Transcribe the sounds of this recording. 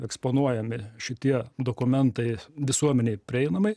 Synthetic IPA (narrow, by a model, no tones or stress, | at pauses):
ɛksponuɔjɛmʲɪʃʲɪt̪ʲiɛd̪okʊmʲɛnt̪ɐɪʋʲɪsuɔmʲɛnʲɛɪpʲɾʲɪɛɪnɐmɐɪ